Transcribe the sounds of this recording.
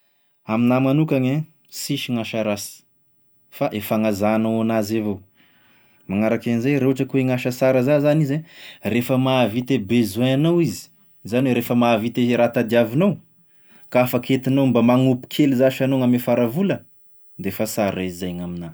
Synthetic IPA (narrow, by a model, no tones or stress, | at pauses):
aminamanukaɲe | siʃiŋaʃaɾasi̥ | faʔefaŋazanowanazevo | maŋaɾakanizajɾewaʈ͡ʂəkuweŋaʃəsaɾəzazanizerefəmavit̪ebezuaanowizi̥ | zanweɾefəmavit̪eɾat̪ad̪iavinow | kaafakʰet̪inombamaŋupi̥kʰelizaʃanoŋamefaɾavulə | d̪eefasaɾezajŋamina